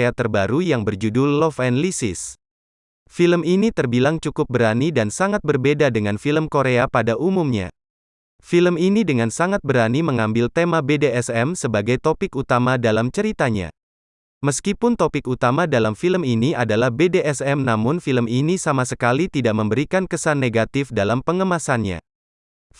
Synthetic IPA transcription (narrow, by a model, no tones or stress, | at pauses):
at̪ərbaɾujaŋbərd͡ʒudʊlːɔfɛnlisɪ̰s | filəminit̪ərbilaŋt͡ʃukʊp̚bəɾanidansaŋat̪̚bərbedadəŋanfiləmkoɾeapadaʔumumɲa̰ | filəminidəŋansaŋat̪̚bəɾaniməŋambɪlt̪emabedeɛsɛmsəbaɡajt̪opɪkut̪amadalamt͡ʃəɾit̪aɲa̰ | məskipʊnt̪opɪkut̪amadalamfiləminiadalahbedeʔɛsɛmnamʊnfiləminisamasəkalit̪idaʔməmbəɾikankəsanːeɡat̪ɪfdalampəŋəmasanɲa̰